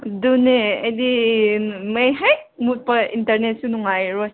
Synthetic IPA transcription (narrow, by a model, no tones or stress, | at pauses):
duneajdi | mejɦaj | mut̚pɐintɐɾnet̚sunuŋajɾɔj